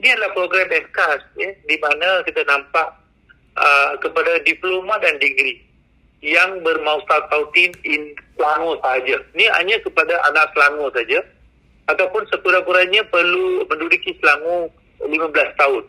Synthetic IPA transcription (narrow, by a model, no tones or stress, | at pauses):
niadalahpɾoɡɾambɛdkast̪̚jədimãnãkit̪anãmpaʔ | əkəpadadiplomãdandiɡɾi | jaŋbərmãwt̪at̪awt̪inɪnsəlaŋõsaɦad͡ʒania̰ɲakəpadaʔanaʔ̚səlaŋõsad͡ʒa | at̪awpʊnsəkuɾapuɾanɲãpərlumə̃ndudukisəlaŋũ | limãbəlast̪aʊn